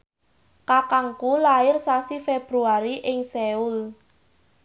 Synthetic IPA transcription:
kakaŋkulaɪrsasifeb̥ɾuaɾiʔɪŋseul

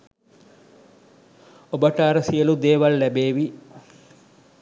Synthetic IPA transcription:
obəʈaːɾɐsijəlud̪eːʋɐlːɛbeːʋi

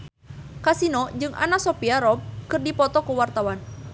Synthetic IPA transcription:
kasinɔd͡ʒɨŋʔa̰nasɔpiaɾɔb̚kɨrdipɔt̪ɔkuwart̪awan

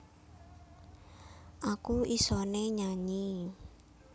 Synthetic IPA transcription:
ʔakuisɔneɲaɲi

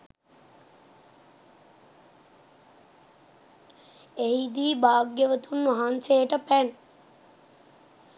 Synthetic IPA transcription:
eɦid̪iːbaːɡjəʋət̪unʋaɦansejəʈəpæn

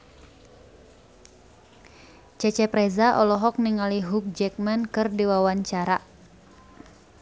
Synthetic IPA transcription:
t͡ʃɛt͡ʃɛpɾɛzaʔɔlɔɦɔk̚niŋaliɦuk̚d͡ʒɛk̚mɛnkɨrdiwawaɲt͡ʃaɾa

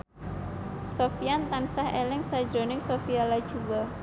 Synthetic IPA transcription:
sofiant̪ansahʔelɪŋsḁd͡ʒɾonɪŋsofialḁʒ̥uwa

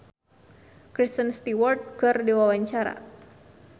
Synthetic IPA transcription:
kɾist̪ənst̪iwɔrt̪̚kɨrdiwawaɲt͡ʃaɾa̰

